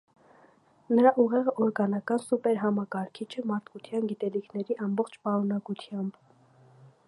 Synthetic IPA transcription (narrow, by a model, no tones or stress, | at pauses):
nəɾɑʔuʁɛʁəʔɔɾɡɑnɑkɑnsupɛɾɦɑmɑkɑɾkʰit͡ʃʰəmɑɾt̪ʰkut̪ʰjɑnɡit̪ɛlikʰnɛɾiʔɑmbɔχt͡ʃʰpɑɾunɑkut̪ʰjɑmb